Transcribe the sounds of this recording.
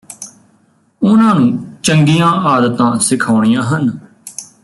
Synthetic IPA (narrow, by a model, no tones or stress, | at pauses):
ʊnãːnũːt͡ʃəŋɡijãːʔaːd̪ət̪ãːsɪkʰaːɳ̃ijãːɦən